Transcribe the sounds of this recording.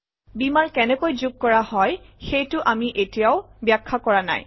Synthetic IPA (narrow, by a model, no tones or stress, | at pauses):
bimaɹkɛnɛkojzuɡ̚kɔɹahɔjxejtʊʔamiʔetijaʊbjakʰːakɔɹana̰j